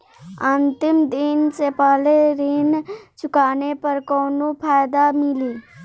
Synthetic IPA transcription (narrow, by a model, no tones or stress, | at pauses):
ənt̪ɪmd̪ɪnsepaːleɾiːnt͡ʃʊkaːnepəɾkɔːnopʰaːjd̪amɪliː